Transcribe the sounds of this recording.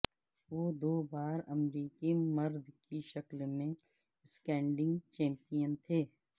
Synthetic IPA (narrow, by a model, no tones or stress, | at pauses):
ʋoːd̪oːbaːɾɐmɾiːkimɐɾd̪ʱkiʃəklmẽ | skɛ̃ːɳɖɪ̃ŋɡt͡ʃɛ̃ːmpijənt̪ʰeː